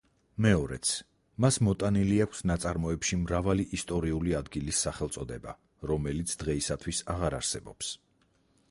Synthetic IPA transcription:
mɛɔɾɛt̪sʰ | masmɔt̪ʼaniliakʷʰsnat̪sʼaɾmɔɛpʃimɾavaliʔist̪ʼɔɾiuliad̪ɡilisːaχɛlˠt̪sʼɔd̪ɛba̰ | ɾɔmɛlit̪sʰd̪̥ʁɛisat̪ʰwisaʁaɾa̰ɾsɛbɔps

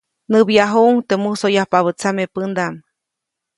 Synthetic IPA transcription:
nɨbjaɦuŋt̪emusojahpaβət͡samepɨnd̪am

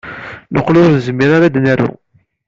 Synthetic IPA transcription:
noqːlʊɾnəzmːiɾaɾad̪næɾṵ

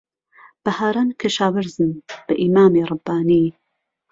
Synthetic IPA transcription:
b̥ɐhaːɾankʰɐʃaːwɨɾzɨnb̥ɐʔimaːmeːɾˤɨbːaːniː

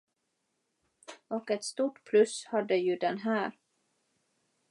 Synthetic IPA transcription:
ɔkɛt̪st̪uːʈpʰlɵshad̪ːəjɵd̪ɛnɦæːɾ

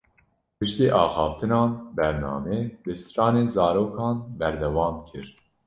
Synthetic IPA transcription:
pɨʃt̪iːʔɑːxɑːft̪ɨnɑːnbɛɾnɑ̰ːmeːbɨsɾɑːneːnzɑːɾoːkʰɑːnbɛɾd̪ɛwɑːmkʰɨɾ

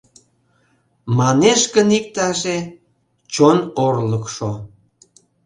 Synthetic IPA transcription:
mɑneʃkənik̚t̪ɑʒe | t͡ɕonorləkʃo

